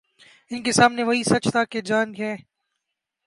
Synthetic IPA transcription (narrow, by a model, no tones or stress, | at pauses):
ɪnkesaːmneʋɐɦisɐt͡ʃt̪ʰaked͡ʒaːnɦɛː